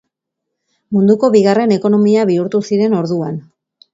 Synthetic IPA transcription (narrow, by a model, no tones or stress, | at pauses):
mund̪uko̞βiɣare̞ne̞ko̞no̞miaβ̞iuɾt̪usiɾe̞no̞ɾðuan